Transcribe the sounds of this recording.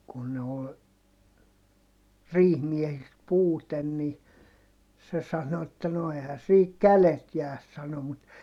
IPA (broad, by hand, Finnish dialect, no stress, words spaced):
kun ne ol riːhmiɛhist puːten ni se sɑno etːæ no ehæ siːk kælet jæːs sɑno mut